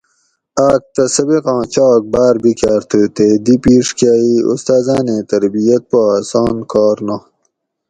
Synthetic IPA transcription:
aːk̚t̪ɐsɐbeqɑ̃ːt͡ɕɑːk̚baːɾbikjaːɾt̪ʰət̪eːd̪ipiːʂkjaːiṵst̪aːzãːnẽːt̪ɐɾbijɐt̪̚poaːsɑ̃ːnkɑːɾna

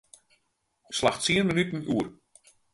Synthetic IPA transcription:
slaxsiənmənytn̩uər

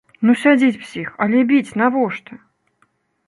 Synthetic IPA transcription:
nusʲad͡zʲit͡sʲw̥sʲixɐlʲɛbʲit͡sʲnavɔʂt̪ɐ

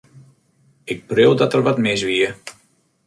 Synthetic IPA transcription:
ɪk̚prøwdɔtərʋatmɪs̬ʋiə

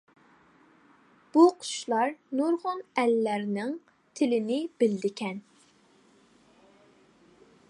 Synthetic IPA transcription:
b̥uqʰʊ̥ʃlˠɑɾnuɾʁʊnɛlːæɾnɪŋ | t̪ʰɪlɪnɪb̥ɪld̪ɪkʲʰɛn

